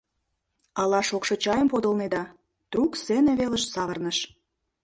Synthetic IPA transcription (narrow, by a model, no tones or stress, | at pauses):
ɑlɑʃokʃot͡ɕɑjəmpod̪əlned̪ɑ | t̪rukseneβeləʃsɑβərnəʃ